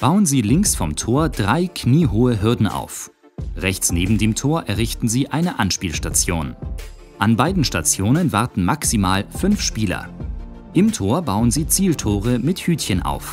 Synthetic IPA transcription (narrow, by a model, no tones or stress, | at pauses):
b̥aʊənziːlɪŋksfɔmtʰoːɐdʁaɪkʰniːɦoːəɦɪɐdn̩ʔa̰ʊf | ʁɛçt͡sneːbm̩deːmtʰoːɐʔɛɐʁɪçtn̩ziːʔaɪnəʔanʃpiːlʃtat͡sjo̰ːn | ʔanbaɪdn̩ʃtat͡sjoːnənvaɐtn̩maksimaːlfʏnfʃpiːlɐ̰ | ʔɪmtʰoːɐbaʊənziːt͡siːltʰoːʁəmɪthyːtçənʔa̰ʊf